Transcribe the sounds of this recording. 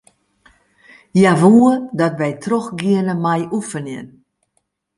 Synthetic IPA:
jaʋuədɔtʋɛjtʰroxɡiənəmajʔufənɪ̰n

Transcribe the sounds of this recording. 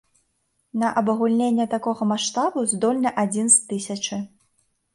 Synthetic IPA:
nɐʔɐbɐɣulʲnʲenʲːɛt̪akɔɣɐmaʂt̪abuzd̪ɔlʲnɐʔad͡zʲinst̪ɨsʲɐt͡ʂɨ

